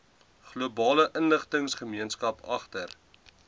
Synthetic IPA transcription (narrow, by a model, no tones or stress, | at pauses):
χluəbɑːləʔənləχtəŋsχəmiənskɐpɐ̰χtər